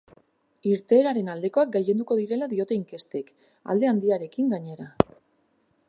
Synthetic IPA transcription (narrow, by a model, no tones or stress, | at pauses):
iɾt̪e̞ːɾaɾe̞nald̪e̞ko̞ak̚ɡaje̞nd̪uko̞ðiɾe̞laðio̞t̪e̞iŋke̞st̪e̞k | a̰ld̪e̞and̪iaɾe̞kiŋɡaɲe̞ɾa